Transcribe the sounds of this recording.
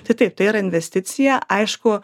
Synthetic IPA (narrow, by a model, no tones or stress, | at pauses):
t̪ɐɪt̪ɐɪp̚t̪ɐɪiɾɐɪnʲʋʲɛsʲt̪ʲɪt̪sʲɪjæʔɐɪʃkʊ